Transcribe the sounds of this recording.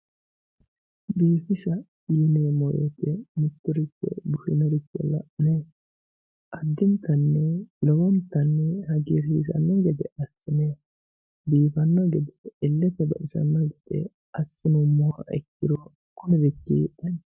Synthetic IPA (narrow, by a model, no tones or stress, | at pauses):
biːfɪsɐ | iːnɪjɔmɔɾḛt̪ːɛmɪt̪ːɔɾɪkːɛ̰bʊhɪnɔɾɪkːɛ̰lɐʔɪneː | ʔɐd̪ːɪnt̪ːɐnːɛlɔwɔnt̪ːɐnːɛhɐɡiɾiːsɐ̰nːɔɡɛd̪ɛɐsːɪneː | biːfɐnːɔɡɛd̪ɛːlːɛpːɛbɐ̰ʔɪsɐ̰nːɔɡɛd̪̥ɛ̰ | ɐsːɪnʊmɔwaɛ̰kːɪɾɔ | kɔnɛd̪ɛkːḭːʔɐn